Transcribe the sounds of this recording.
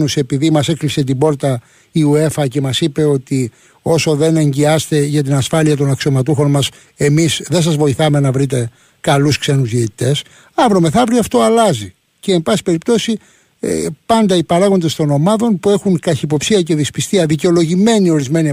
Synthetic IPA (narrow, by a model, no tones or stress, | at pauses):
nuse̞piðimɐse̞klise̞t̪̬ibo̞ɾt̪ɐ | iue̞fɐce̞mɐsipe̞o̞t̪i | o̞so̞ðe̞ne̞ɲɟiɐst̪e̞ʝɐt̪̬inɐsfɐliɐt̪̬o̞nɐksio̞mɐt̪uxo̞nmɐs | e̞misðe̞ns̬ɐzvo̞iθɐme̞nɐvɾit̪e̞ | kɐluskse̞nuzjiet̪i̥t̪e̞s | ɐvɾo̞me̞θɐvɾiɐft̪o̞ɐlɐzi | ce̞ːmbɐsi̥pe̞ɾip̚t̪o̞si | pɐnd̪ɐipɐɾɐɣo̞nd̪e̞st̪o̞no̞mɐðo̞npue̞xuŋkɐçipo̞psiɐce̞ðispist̪iɐðice̞o̞lo̞ʝime̞nio̞ɾizme̞ni